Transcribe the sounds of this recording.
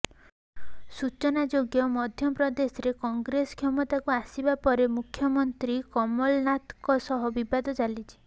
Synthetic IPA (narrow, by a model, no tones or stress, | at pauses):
sut͡ʃɔnad͡ʒoɡjɔmɔd̪ʱjɔpɾɔd̪esɔɾekɔŋɡɾesɔ̥kʰjɔmɔt̪akuasibapɔɾemukʰjɔmɔnt̪ɾikɔmɔlnat̪kɔsɔɦɔbibad̪ɔt͡ʃalit͡ʃʰi̥